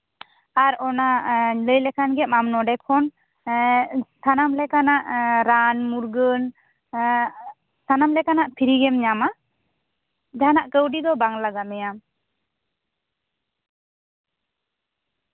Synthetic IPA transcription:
aɾɔnaləjlɛkʰanɡɛʔ̚mamnɔɖɛkʰɔn | t̪ʰanamlɛkanaʔɾanmuɾɡən | t̪ʰanamlɛkanaʔpʰiɾiɡɛmɲama | d͡ʒanaʔkəwɖid̪ɔbaŋlaɡamɛjam

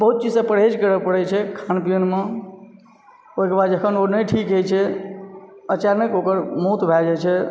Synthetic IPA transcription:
bəɦut̪̚t͡ʃid͡ʒsə̃pəɽ̤ed͡ʒkəɾəpəɽɛt͡ʃʰɛkʰanpijənmẽ | oikebad̪d͡ʒəkʰənonəjʈʰikɦojt͡ʃʰɛ | ət͡ʃaɾnəkokəɾmot̪bʱad͡ʒajt͡ʃʰɛ

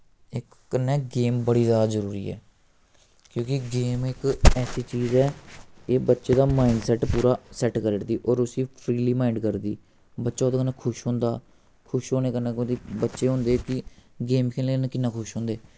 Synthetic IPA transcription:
ɪkːənːɛːɡeːmbəɽiːzjaːd̪aːzəɾuːɾḭːɛ̰ː | kjõːkɪɡeːmɪkɛːsiːt͡ʃiːzɛːeːbətːʃeːd̪aːmaːɪɳɖsɛʈpuːɾaːsɛʈkəɾəɽd̪iːʔɔːɾʊsiːpʰɾiːliːmaːɪɳɖkəɾd̪iː | bətːʃaːoːd̪aːkənãːkʰʊʃɦõːnd̪a̰ː | kʰʊʃɦoːneːkənãːkod̪iːbətːʃeːɦõːnd̪eːkɪɡeːmkʰeːnleːnẽːkɪnːãːkʰʊʃɦõːnd̪eː

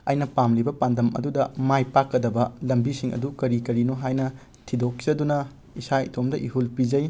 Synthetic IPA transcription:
ɐjnɐpamlibɐpandɐmɐ̰dudɐmajpakːɐdɐbɐlɐmbisiŋɐ̰dukɐɾikɐɾinoɦajnɐ | tʰidok̚zɐdunɐ | isajitʰomdɐʔiɦulpid͡ʒɐj

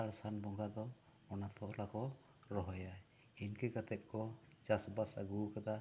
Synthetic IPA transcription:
aɽsanbɔŋɡad̪ɔɔnat̪ʰɔʔlakɔɾɔɦɔjajinkɛkat̪ɛp̚kɔt͡ʃasbasa̰ɡukat̪a

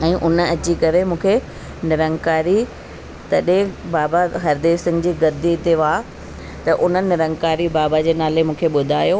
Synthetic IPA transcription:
ɛ̃ːʔʊnɐt͡ɕikɐɾemũːkʰe | nɪɾə̃ŋɡkaːɾi | t̪ɐɗẽbaːbaɦɐɾd̪eːsɪ̃ŋɡd͡ʑiːɡɐɾd̪ʱiɪt̪eʋaː | t̪ɐʔʊn̤ənɪɪɾə̃ŋɡkaːɾibaːbad͡ʑeːnaːlemũːkʰeɓʊd̪ʱaːjo

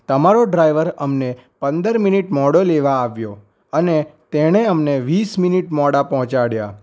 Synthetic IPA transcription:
t̪əmaɾoɖɾajʋəɾəmnepənd̪əɾminiʈmɔɽoleʋaːʋjo | ənet̪eɽ̃eəmneʋisminiʈmɔɽapɔɦt͡ʃaɽja

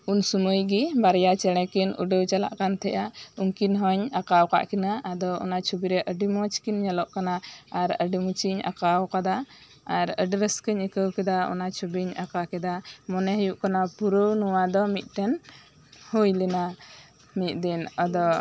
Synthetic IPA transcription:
unsuməjɡibaɾjat͡ʃɛɽ̃ɛkinṵɖəwt͡ʃala̰ʔkant̪ʰɛʔauŋkinɦɔɲakawka̰ʔkinaːd̪ɔɔ̰nat͡ʃʰubiɾɛʔəɖimɔt͡ʃkinɲalɔʔkanaːɾəɖimut͡ʃiɲa̰kawkad̪a | aɾə̰ɖɾəskəɲəkəwkɛd̪aɔ̰nat͡ʃʰubiɲakakɛd̪amɔnɛɦəjuʔkanapuɾəwnuwad̪ɔmit̪̚ˀʈɛn | hujlɛna | mit̪̚ˀd̪ɛnad̪ɔ

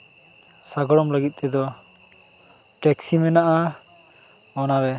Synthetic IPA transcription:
saɡɔɽɔmləɡit̪̚ˀt̪ɛd̪ɔ | ʈɛksimɛnaʔa | ɔnabɛ

